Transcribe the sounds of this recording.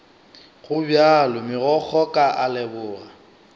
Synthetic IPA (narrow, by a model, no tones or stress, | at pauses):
ɣʊbjalʊmɪɣɔk͡xʰɔkʼaʔalɛbʊːɣa